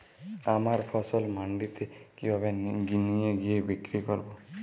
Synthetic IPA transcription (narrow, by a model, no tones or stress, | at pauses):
amaɾfʰɔsolmaɳɖit̪ʰekibʱabeɡinijeɡijebikɾikoɾbo